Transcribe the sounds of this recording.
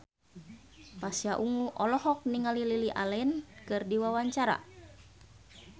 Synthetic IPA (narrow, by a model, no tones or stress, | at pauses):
pasiaʔuŋuʔɔlɔhɔk̚niŋalililiʔa̰lɛnkɨrdiwawaɲt͡ʃaɾa̰